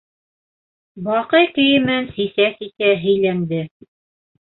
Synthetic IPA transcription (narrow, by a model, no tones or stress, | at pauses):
bɑqɤjkɵ̆jɘ̆mænsisæsit̪æɦɘ̆jlænd̪ɘ